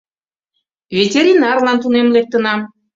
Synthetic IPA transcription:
vʲetʲeɾʲinɑrlɑnt̪unemlek̚t̪ə̆nɑm

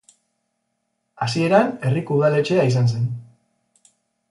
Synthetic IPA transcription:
asie̞ɾane̞rikuuðale̞t͡ʃe̞ais̬ans̬e̞n

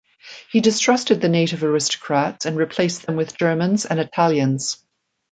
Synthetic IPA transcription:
hidɪstɹ̥ʌstɨd̪̚ðɨneɪɾɪvəɹɪstə̥kʰɹ̥atsə̃nɹɪpʰl̥eɪsðə̃mwɪðd͡ʒɜːmə̃nzə̰̃nɪtʰalˠjə̃nz̥

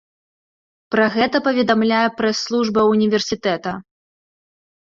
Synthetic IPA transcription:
pɾɐɣɛt̪ɐpɐvʲɛd̪amlʲajɛpɾɛsːlˠuʐbɐunʲivʲɛrsʲit̪ɛt̪ɐ

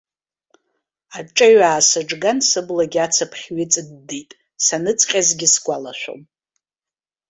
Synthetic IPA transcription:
aʈ͡ʂʼaɥaːsɨʈ͡ʂɡansɨblaɡʲat͡sʰapʰχʲɥɪt͡sʼɨdːijtʼ | sanɨt͡sʰqʲʼazɡʲɪsɡʷʼala̰ʃʷᶣo̰m

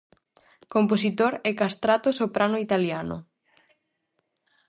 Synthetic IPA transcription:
komposit̪oɾɛkast̪ɾat̪osopɾanoit̪aljanʊ̰

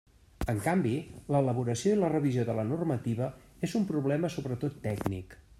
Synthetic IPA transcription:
əŋkambiləːləβuɾəsioilərəβizijoðələnurmət̪iβ̞ə | ezumpɾuβ̞lɛməsoβɾət̪ot̪ːɛɡnḭk

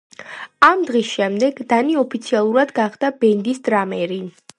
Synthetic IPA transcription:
amd̪ʁisʃɛmd̪ɛɡd̪aniɔpʰit̪sʰialˠuɾad̪ɡaχd̪abɛnd̪isd̪ɾamɛɾi

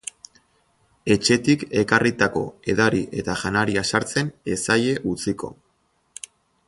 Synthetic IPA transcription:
e̞t͡ʃe̞t̪ike̞karit̪ako̞̰e̞ðaɾiʔe̞t̪aʝanaɾiasaɾt͡se̞ne̞saje̞ʔut͡siko̞̰

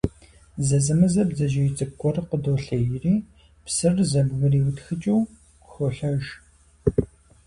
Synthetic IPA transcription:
zɐzɨmɨzɐbzɐʒɐjt͡sʼɨp̚kʷʼɔrqədowːɬɐjɪriː | psɨrzɐbɣɐriːwʊtxɨt͡ʃʼɪw | xɔɬɐʒ

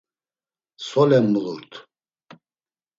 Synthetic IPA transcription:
sɔlɛmːuluɾt̪ʰ

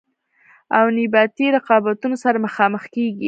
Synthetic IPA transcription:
awnibɑt̪iɾɪqɑbat̪unosaɾaməxɑməxkeɡi

